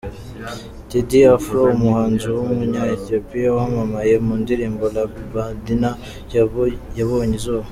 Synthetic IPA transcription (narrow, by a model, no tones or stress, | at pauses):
tidiafɾoumuhaːnzuwummuɲaet̪iopijawamamaje̞muːndiɾiːmbolabadina | jaβoɲizoː